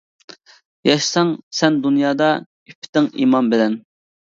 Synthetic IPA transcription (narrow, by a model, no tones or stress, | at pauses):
jɑʃsɑŋsɛnd̪unjɑːd̪ɑ | ypʰːɪ̥t̪ɪŋḭmɑmbɪlɛn